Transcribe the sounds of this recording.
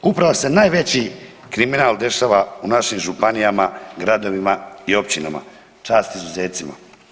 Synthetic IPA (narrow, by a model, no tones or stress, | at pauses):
upɾaʋosenaːjʋe̞t͡ɕi | kɾiminaːld̪e̞ʃaːʋaunaʃimʒupanijamaɡɾad̪o̞ʋimaio̞p̚t͡ɕina̰ma̰ | t͡ʃaːst̪izuze̞ːt̪sima̰